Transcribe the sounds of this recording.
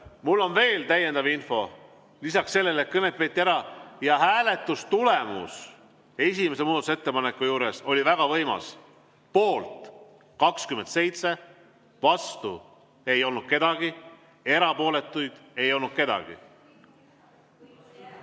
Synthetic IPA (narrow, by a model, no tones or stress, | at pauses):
mulːo̞nve̞ːlt̪æjːend̪ɑvinfo̞ | lisɑksːe̞lːe̞let̪̚kɤnep̪pe̞ːt̪ːiæɾɑjɑhæːle̞t̪ːˑust̪ule̞mṵs | e̞s̬ʲime̞se̞muːd̪ɑt̪use̞t̪ːe̞pɑnekːˑujuːɾe̞so̞lʲivæɡ̥ɑvɤ̞jmɑ̰s | po̞ːlt̪ | kɑkskyme̞nd̪se̞jt̪se̞ | vɑst̪u | e̞jo̞lnud̪̥̚ke̞d̪ɑɡ̥i | e̞ɾɑpo̞ːle̞t̪ːˑujd̪̥e̞jo̞lnud̪̥̚ke̞d̪ɑ̰ɡ̥ḭ